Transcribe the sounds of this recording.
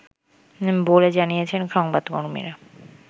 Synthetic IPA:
boled͡ʑanijet͡ɕʰenʃɔŋbad̪koɾmḭɾa

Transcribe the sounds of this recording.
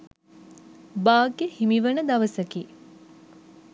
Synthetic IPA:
baːɡehimiʋənəd̪ɐʋəsəki

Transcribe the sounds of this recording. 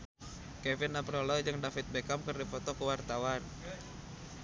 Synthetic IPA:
kɛvɪnapɾolɔd͡ʒɨŋdafɪt̪̚bekamkərdifɔt̪ɔkəwart̪awan

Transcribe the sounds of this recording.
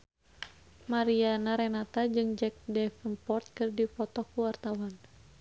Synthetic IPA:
maɾianaɾɛnat̪ad͡ʒɨŋd͡ʒɛk̚dɛfənpɔrt̪̚kɨrdipɔt̪ɔkuwart̪awan

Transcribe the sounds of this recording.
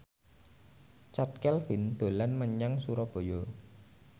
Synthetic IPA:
t͡ʃat̪̚kɛlfind̪̥o̤lanməɲaŋsuɾɔb̥o̤jɔ

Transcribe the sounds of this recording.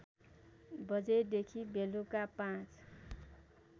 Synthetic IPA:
bʌd͡zed̪ekʰibʱelukapãt͡s

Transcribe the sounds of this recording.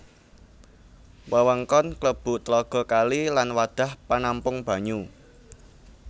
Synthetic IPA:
wəwəŋkɔnkləb̥ʊ̤t̪əlɔɡ̥ɔ̤kalilanwad̪̥ä̤hpanampʊŋb̥ä̤ɲu

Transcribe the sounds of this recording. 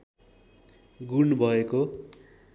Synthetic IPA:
ɡunbʱʌeko

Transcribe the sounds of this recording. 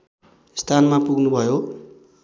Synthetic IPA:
st̪ʰanmapuɡnubʱʌjo

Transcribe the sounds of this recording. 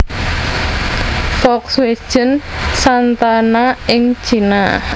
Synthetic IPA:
fɔkswed̥ʒ̥ə̤nsant̪anaɪŋ̥ʒ̥ina

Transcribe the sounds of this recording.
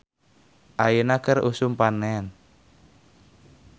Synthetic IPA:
ʔajinakərṵsumpanɛn

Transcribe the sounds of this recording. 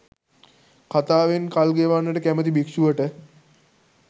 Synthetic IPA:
kʰat̪aːʋenkalɡeʋanːəʈəkæmət̪̬ibikʂuʋəʈə

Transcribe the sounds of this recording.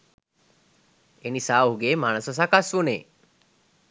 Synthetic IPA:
enisaːɦuɡeːmanəsəs̬akasʋunḛː

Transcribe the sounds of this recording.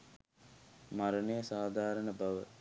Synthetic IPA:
maɾənəjəsaːd̪ʱaːɾənəbaʋə̰

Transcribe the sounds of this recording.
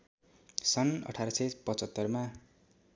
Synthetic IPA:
sʌnʌ̰ʈʰaɾʌsepʌt͡sʌt̪ːʌrma

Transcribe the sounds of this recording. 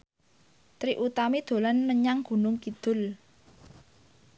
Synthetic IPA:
t̪ɾiʔut̪amid̪̥o̤lanməɲaŋɡ̥ṳnʊŋkid̪̥ʊ̤l

